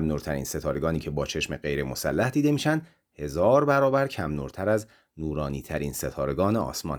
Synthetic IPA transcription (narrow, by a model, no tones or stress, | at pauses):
mnuːɾt̪ʰæɾḭːnse̞t̪ʰɒːɾe̞ɡɒːniːcʰe̞bɒːt͡ʃʰe̞ʃmeɢe̞jɾe̞mo̞sæ̰lːæhd̪iːd̪e̞miːʃænd̪ | he̞zɒːɾbæɾɒːbæɾcʰæmnuːɾt̪ʰæɾæz | nuːɾɒːniːt̪ʰæɾiːnse̞t̪ʰɒːɾe̞ɡɒːneɒ̰ːsmɒ̰n